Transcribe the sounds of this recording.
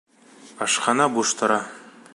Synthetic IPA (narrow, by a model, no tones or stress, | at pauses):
ɑʃqɑnɑbuʃt̪ɤ̆ɾɑ